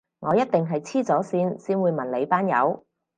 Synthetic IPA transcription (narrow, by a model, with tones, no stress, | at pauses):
ŋɔː˨˧jɐ˥t̚t̪ɪ˨ŋɦɐ˨jt͡sʰiː˥t͡sɔː˨˥siː˧˥nsiː˥nwuː˨˧jmɐ˨˩nle˨˧jpaː˥njɐ̰˨˧w